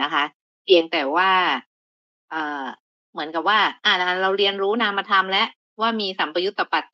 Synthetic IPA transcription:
na˦˥kʰa˦˥ʔ | pʰi˧əŋt̪ɛː˨˩waː˥˩ | ʔɤː˨˩ | mɯ˩˦ənka˨˩p̚waː˥˩ʔaː˧˩na˦˥kʰa˦˥ɾa˧wɾi˧ənɾuː˦˥naː˧ma˧t̪ʰa˧mlɛ˦˥ʔ | waː˥˩miː˧sa˩˦mpɾa˧ju˦˥t̪̚ːa˧pa˨˩t̪̚

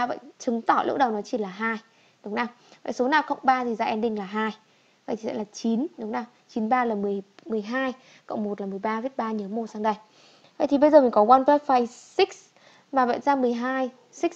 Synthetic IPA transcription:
a˧və̰˧˨jt͡ɕɨ˨˦ŋt̪ɔ˧˩lṵ˦˥k̚ɗə˨˩wnɔ˨˦t͡ɕi˧˩laː˨˩ɦaː˧j | ɗʊ˨˦wŋ͡mnaː˧˩w | və̰˧˨jso˨˦naː˨˩xə̰˧˨wŋ͡mɓaː˧t̪ʰi˨˩zaː˧ʔɛ˧nɗï˧ŋ̟laː˨˩ɦaː˧j | və̰˧˨t̪ʰi˨˩ɛ̰˧˥laː˨˩t͡ɕi˨˦nɗʊ˨˦ŋ͡mnaː˧˩w | t͡ɕi˨˦nɓaː˧laː˨˩mɨ˨˩əjmɨ˨˩əjɦaː˧j | ko̰˧˨wŋ͡mmo˨˩t̚laː˨˩mɨ˨˩əjɓaː˧vi˦˥t̚ɓaː˧ɲɨ˨˦mo˧˩t̚saː˧ŋɗə˧˩j | və̰˧˨jt̪ʰi˨˩ɓə˧jzəː˨˩mi̟˨˩kɔ˨˦waː˧npɛ˨˦˥faː˧jsï˦˥k̚s | maː˨˩və̰˧˨jzaː˧mɨ˨˩əjɦaː˧j | si˦˥k̚

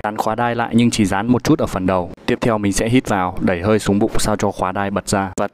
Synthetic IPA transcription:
aː˨˦nxwaː˨˦ɗaː˧jla̰ː˧˨jɲɨ˧ŋt͡ɕi˧˩zaː˨˦nm˨˩t̚t͡ɕu˦˥t̚ʔəː˧˩fə˨˩nɗə˨˩w̪i˦˥əp̚t̪ʰɛ˧wmï˨˩ŋ̟sɛ̰˧˥ɦi˦˥t̚vaː˨˩wɗə˧˩jɦəː˧jsu˨˦ŋ͡mɓʊ̰˧˨ŋ͡msaː˧wt͡ɕɔ˧xwaː˨˦ɗaː˧jɓə˨˩t̚zaː˧vaː˨˩

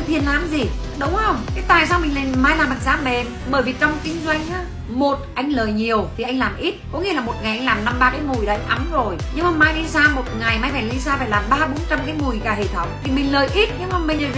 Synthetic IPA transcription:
t̪ʰi˨˩ənlaː˨˦mzi˨˩ | ɗə˨˦wŋ͡mhə˧wŋ͡mka˨˦jt̪a̰ː˧˨js̬aː˧wmi˨˩ŋ̟la˨˩˨maː˧jlaː˨˩maː˨˩t̚zaː˨˦mɛ˨˧˩m | ɓəː˧˩jvi˨˩t͡ɕɔ˧wŋ͡mt̪i˧ŋzwa˧jŋ̟aː˨˦ | mo˨˩t̚ʔa˧jŋ̟ləː˨˩jɲi˨˩əwt̪ʰi˨˩ʔa˧ŋlaː˨˩mʔi˦˥t̚kɔ˨˦ŋḭ˧˦laː˨˩mo˨˩t̚ŋa˨˩jʔa˧jŋ̟laː˨˩mna˧mɓaː˧kaː˨˦jmu˨˩jɗa̰˧˩jʔa˨˦mzo˨˩jɲɨ˧ŋmaː˨˩maː˧jɗi˧saː˧mo˨˩t̚ŋa˨˩jmaː˧jfaː˧˩li˧saː˧faː˧˩jlaː˨˩mɓaː˧ɓo˨˦nt͡ɕa˧mkaː˨˦jmu˨˩jkaː˧˩hḛ˧˩t̪ʰə˧˩wŋ͡mt̪ʰi˨˩mï˨˩ŋ̟ləː˨˩jʔi˦˥t̚ɲɨ˧ŋmaː˨˩mï˨˩ŋ̟lə˨˩˧

